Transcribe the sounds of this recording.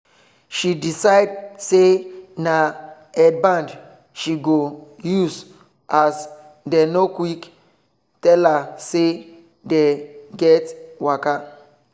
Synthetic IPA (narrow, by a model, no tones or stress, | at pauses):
ʃidisaɪdsena | ɛd̚bãnd | ʃiɡojuz | ʔas | dɛnokwik | tɛlase | deɡɛtwaka